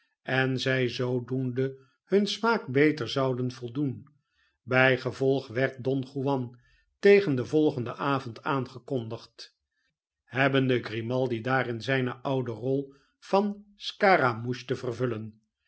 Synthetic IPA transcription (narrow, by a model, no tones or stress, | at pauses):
ʔɛnzɛjzowdundə | hɵnsmaːkbejtəɹzɑwdənv̥ɔlˠdun | bɛjχəvɔlˠχʋɛɹt̚dɔnχuʋɑn | tejχəndəvɔlˠχəndəʔaːvɔntʰaːnχəkɔndəχt | ɦɛbəndəɡrimɑlˠdidaːrɪnzɛjnəʔʌwdərɔlˠ | v̥ɑnskaːramuʃtəvərvɵlən